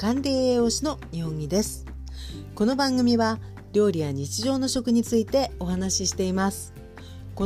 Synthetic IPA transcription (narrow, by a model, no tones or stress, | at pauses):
kãnɾʲe̞ːeo̞ɕino̞ | ihõ̞ŋɡʲid̪e̞sɨ̥ | ko̞no̞bãŋɡɯ̟mʲiβa | ɾʲo̞ːɾʲijaɲ̟it͡ɕiʑo̞ːno̞ɕo̞kɯ̟ɲ̟it͡sɨit̪e̞o̞ɦanaɕiɕi̥t̪e̞imasɨ̥ | ko